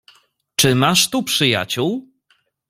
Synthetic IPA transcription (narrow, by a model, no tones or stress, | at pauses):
t͡ʂɘmaʂt̪upʂɘja̰t͡ɕuw